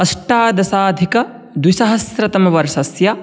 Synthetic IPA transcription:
ɐʃʈaːd̪ɐsaːd̪ʱikɐ | d̪wisɐɦɐsɾɐt̪ɐmɐʋɐɾʃɐsjɐ

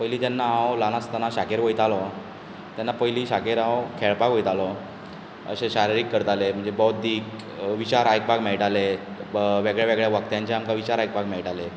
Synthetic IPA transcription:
pəjliːt̪janːaãwlanast̪anaɕakeɾɦojt̪alɔ | t̪janːapəjliːɕakeɾãwkʰɛɭpakɦojt̪alɔ | ə̰ɕeɕaɾiɾiːkːəɾt̪alem̤əɳd͡zebot̪̚d̪iːk | ʋit͡ɕaɾajk̚paɡmɛɭʈale | ʋeɡɭjaʋeɡɭjaʋəkt̪jãɲt͡ɕeamkaʋit͡ɕaɾajk̚paɡmɛɭʈale

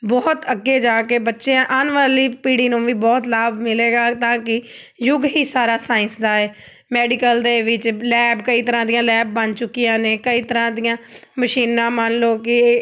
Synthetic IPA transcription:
bɔːt̪əɡːeːd͡ʒaːkeːbətːʃeãːʔənʋaːliːpiːɽiːnũːʋiːbɔːt̪laːbmɪleːɡaːt̪ãːkɪ | jʊɡɦiːsaːɾaːsaːɪ̃nsd̪aːɛː | mɛːɖɪkəld̪eːʋɪt͡ʃlɛːbkəiːt̪əɾãːd̪ɪjãːlɛːb̚ːənt͡ʃʊkːijãːnẽːkəiːt̪əɾãːd̪ɪjãːməʃiːnãːmənloːkɪ

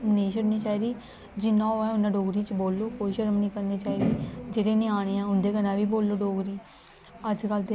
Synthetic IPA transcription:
mnĩːʃəɽniːt͡ʃaːiɾiː | d͡ʒɪnːãːoːɛ̃ːʊnːãːɖoːɡɾiːt͡ʃboːlːoːkoːiːʃəɾəmnĩːkəɾniːt͡ʃaːiɾiːd͡ʒɪɾẽːnĩːaːɽ̃ẽːãːʊnd̪eːkənãːʋiːboːlːoːɖoːɡɾiː | əd͡ʒkəlt̪e

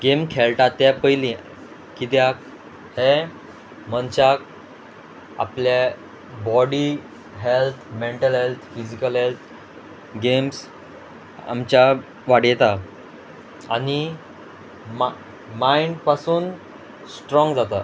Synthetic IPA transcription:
ɡemkʰɛɭʈat̪ːjapəjlĩ | kit̪jak | he | mənt͡ɕak̚ | a̰plje | bɔɽi | ɦelt̪ʰmeɳʈəlɦelt̪ʰfid͡ʑikəlɦelt̪ʰ | ɡems | a̰mt͡ɕa | ʋaɽjɛt̪a | ani | m | maiɳɖpasuːn | sʈɾɔ̃ŋɡd͡zat̪a

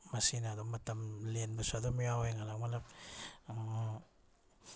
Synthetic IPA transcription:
masinadomatamlenbasadomiawjŋalakmalap̚

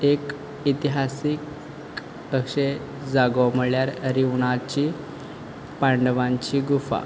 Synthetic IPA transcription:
ek | it̪iɦasik | əɕe | d͡zaɡoməɭjaɾɾiʋɳat͡ɕiː | paɳɖʋãɲt͡ɕiːɡufa̰

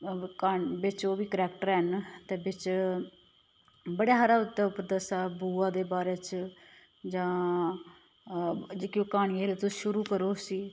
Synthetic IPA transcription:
kaːbɪt͡ʃoːʋiːkəɾɛːkʈəɾɦənt̪eːbɪt͡ʃ | bəɽaːɦaɾaːʊt̪ːaːʊpd̪əsaːbuːãːd̪eːbaːɾeːt͡ʃ | d͡ʒãː | d͡ʒeːkiõːkaːɽ̃iːelet̪oʃʊɾuːkəɾoːsiː

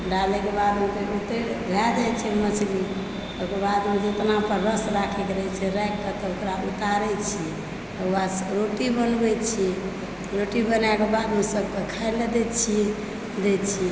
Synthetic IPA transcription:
ɖalekebad̪mt̪eut̪e | ɡʱad͡ʒ̪ajt͡ʃʰɛmət͡ʃʰli | okebad̪med͡ʒet̪napəɾɾəsɾakʰɛkɾɛt͡ʃʰɛɾɛjk̚tət̪ɔokɾaut̪aɾɛt͡ʃʰi | asɾoʈibənbɛt͡ʃʰi | ɾoʈibənakebad̪mesəb̚kekʰaɛled̪et͡ʃʰi | d̪et͡ʃʰi

